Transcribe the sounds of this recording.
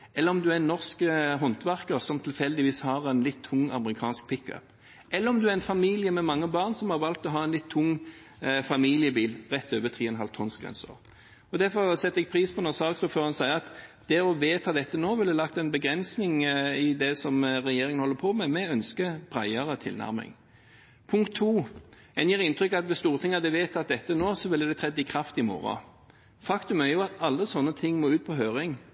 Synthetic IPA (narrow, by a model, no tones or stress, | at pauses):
ʔɛlːəɾɔmd̪ʉænːɔʁskɦɔnt̪ʋæʁkəɾsɔmt̪ʰɪlfɛld̪ɪʋiːshɑʁɛnlɪt̪ʰːʊŋːɑ̰məʁɪkʰɑ̰ːnsk̚pʰɪkːœ̰p | ʔɛlːəɾɔmd̪ʉæɾɛnfɑmiːlɪjəmɛmɑŋːəbɑːʁnsɔmhɑʁʋɑlt̪ɔɦɑːɛnlɪt̪ʰːʊŋː | fɑmiːlɪəbiːlʁɛt̪ːøːʋət̪ʰʁiːɛnɦɑ̰lt̪ʰɔnsɡʁɛ̰nsə̰ʁ | ɔd̪æɾfɔʁsɛt̪ːəɛɡ̚pʰɾiːspʰɔnɔsɑːsɔføːʁhɑnsæɪəɑt̪d̪̥ɛɔʋeːt̪ʰɑːd̪ɛt̪ːənoːʋɪlːɛlɑk̚t̪ɛnbəɡɾɛnsnɪŋɪd̪ɛsɔmʁɛjeːɾɪŋənhɔlːəpʰɔmɛmɛœnskəb̥ʁæɪəɾət̪ʰɪ̰lnæ̰ɾmɪ̰ŋ | pʰʊŋkt̪ʰːuː | ɛnjiːɾɪnt̪ɾʏkːɑt̪ʋɛst̪uːʁət̪ʰɪŋːɑd̪ɛʋeːt̪ʰɑt̪̚d̪ɛt̪ːənoːsɔʋɪlɛd̪ɛt̪ʰɾɛd̪ːɪkʰɾɑft̪ɪmo̰ːɾɑ̰ | fɑkt̪ʉmæɾjʊɑt̪ɑlːəsɔnːət̪ʰɪŋːmoːʉːt̪̚pʰɔɦøːɾɪŋ